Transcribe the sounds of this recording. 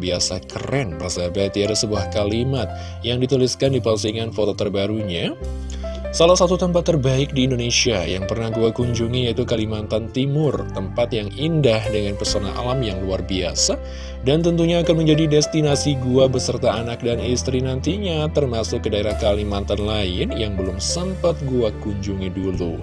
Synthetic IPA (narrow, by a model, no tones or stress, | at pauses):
biasa̰kərɛnbərzabat̪iadasəbuahkalimat̪̚ | jaŋdit̪uliskandipasiŋanfot̪ot̪ərbaɾuɲa | salahsat̪ut̪əmpat̪ːərbaɪk̚diːndonesiaja̰ŋpərnahɡuakuɲd͡ʒuŋijait̪ukalimant̪ant̪imʊrt̪əmpat̪jaŋindahdəŋanpərsona̰a̰lamjaŋluarbia̰sa | dant̪ənt̪uɲaːkanməɲd͡ʒadidɛst̪inasiɡuabəsərt̪aːnak̚danist̪ɾinant̪iɲat̪ərmasʊkːədaeɾahkalimant̪anlaɪnjaŋbəlʊmsəmpat̪̚ɡuakuɲd͡ʒuŋidulṵ